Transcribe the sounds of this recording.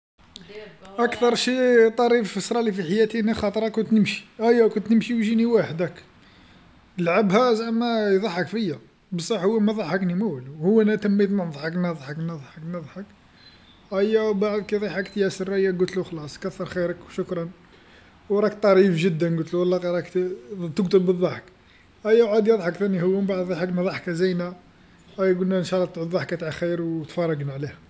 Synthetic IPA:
ʔækt̪ɑɾˤʃit̪ˤɑɾiffəsɾˤɑlifiħajæt̪inixɑt̪ˤɾˤɑkːʊnt̪nəmʃi̥ʔæjːækʊnt̪nəmʃiwʒiniwaħd̪ək | lʕabhæzæmæjd̪ˤɑħəkfəjːæ | bəsˤɑħhʊwːæmæðˤɑħəknimæwluhʊwːænæt̪əmːit̪mənd̪ˤħəknəðˤħəknɑd̪ˤħəknɑd̪ˤħək | ʔæjːæwbaʕd̪kid̪ˤiħəkt̪jæsəɾæjːæɡʊlt̪luxlɑsˤkæθːɑɾˤxiɾəkwʃʊkɾˤɑn | wɾˤɑkt̪ˤːɑɾifʒəd̪ːənɡʊlt̪luwlˤːɑqɾˤɑk̪t̪əɡt̪əlbəd̪ˤːɑħək | ʔæjːæwʕad̪jəd̪ˤħəkt̪ænihʊwːæmbaʕd̪ðˤɑħəknðˤɑħkæzijnæ | ʔæjːæɡulnæənʃɑlˤːɑt̪d̪ˤɑħkːæt̪ʕaxijɾwt̪fɑrˤːɑɡnʕlih

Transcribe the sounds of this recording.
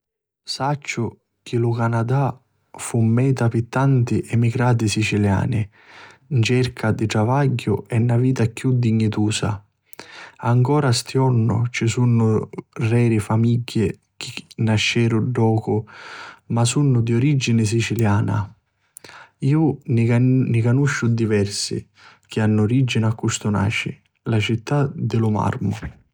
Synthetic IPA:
sat͡ʃːʊ | kɪlʊkanad̪a | fumːɛːt̪apɪt̪ːant̪ɪʔɛmiɡɾaːt̪̬ɪsit͡ʃilja̰ːnɪ | nt͡ʃɛrkʰad̪ɪʈ̪ɾavaɟːʊɛnːaviːt̪akjud̪ːiɲːit̪uːsa̰ | aŋkɔːɾast̪jɔnːʊ̰t͡ʃɪsunːʊrɛːɾɪfamiɟːɪ | k̟ʰɪnaʃːɛːɾʊɖːɔːkʊ | masunːʊd̪ioɾid͡ʒinɪs̬it͡ʃiljaːna̰ | iːʊ | nɪkanuʃːʊd̪ivɛrsɪ̰ | k̟ʰɪanːʊoɾid͡ʒːinakːust̪ʊna̰ːt͡ʃɪ̰ | lat͡ʃit̪ːad̪ɪlʊma̰rmʊ

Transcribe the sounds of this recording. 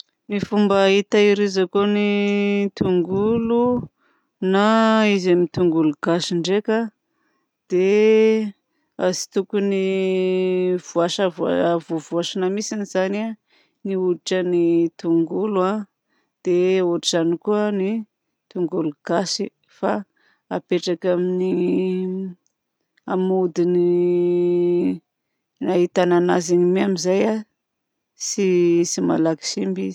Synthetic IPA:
nifumbait̪aiɾizakonit̪uŋɡulu | naizamit̪uŋɡuluɡ̥aʃiɳɖ͡ʐeka | d̪̥e | a̰zi̥t̪ukuni | v̥uaʃəvua̰vovuaʃanəmisiniz̥ana | niuiʈ͡ʂənit̪uŋɡula | d̪̥euʈ͡ʂiʈ͡ʂanikuəni | t̪uŋɡuluɡ̥asi | fa | apeʈ͡ʂakamini | amud̪ini | aɦit̪ananazinimiamizaja | sisima̰laki̥simbiz̥

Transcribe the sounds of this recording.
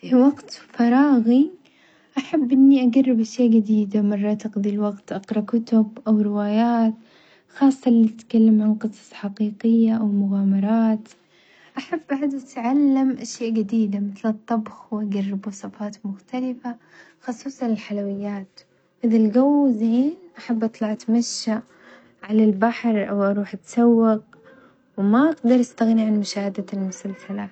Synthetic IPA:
fiwaɡt̪fɑɾˤɑːɣi | ʔaħabːʔɪnːiʔaɡarːɪbʔaʃjaːʔɡɪd̪iːd̪amɑrˤːɑːt̪ɪqðˤilwɑɡt̪ʔɑqɾˤɑkʊt̪ʊbʔawɾɪwaːjaːt̪ | xɑːsˤːɑʔlːit̪ɪt̪kalːamʕanqɨsˤɑ̥sˤħaqiːqɪjːaʔawmʊɣaːmɑɾˤɑːt̪ | ʔaħabːʔaʕd̪ʔat̪ʕalːamʔaʃjaːʔɡɪd̪iːd̪amɪθlɨt̪ˤːɑbxwʔaɡarːɪbwɑsˤɑfɑːt̪mʊxt̪alɪfa | xɑsˤuːsˤɑnɪlħalawɪjːaːt̪ | ʔɪðalɡawːzeːnʔaħabːʔɑt̪ˤlɑʕat̪maʃːa | ʕalalbaħɾˤʔawʔɑɾˤuːħʔat̪sawːɪq | wmaʔaɡd̪ɑɾˤʔast̪aɣniʕanmʊʃaːhad̪almʊsalsala

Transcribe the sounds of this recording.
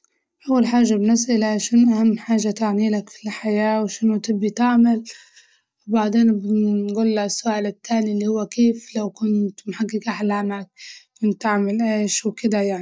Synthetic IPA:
ʔawːalħaːʒːabnɪsʔɪlaʃʊnʔahamːħaːʒat̪aʕniːlakfi̥lħajaːwʃɪnut̪ɪbːit̪aʕmal | wbaʕd̪eːnbɪɡuːlːaʔasːʊʔaːlɪt̪ːaːnilːihʊwːakeːflawkʊnt̪mħaɡːɪkʔaħlaːmak̚kʊnt̪ːaʕmalʔeːʃwkɪd̪ajaʕnii

